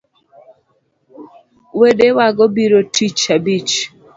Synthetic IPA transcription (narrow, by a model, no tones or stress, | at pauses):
wedewaɡɔbiɾotʰit͡ʃabit͡ʃ